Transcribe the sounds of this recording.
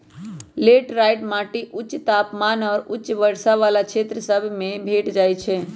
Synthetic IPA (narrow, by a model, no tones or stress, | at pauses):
leʈɾaɪʈmaːʈiʔʊt͡ʃːt̪aːpmaːnɔːɾʊt͡ʃʋəɾsaʋalakʰet̪ɾəsəbʱmẽbʱeʈd͡ʒaːjt͡ʃʰe